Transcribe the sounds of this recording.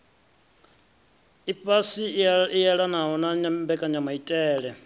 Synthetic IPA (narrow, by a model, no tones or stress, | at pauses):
ipʼasiijaɺanaɦɔnaɲambɛkʼaɲamaitʼɛːɺɛ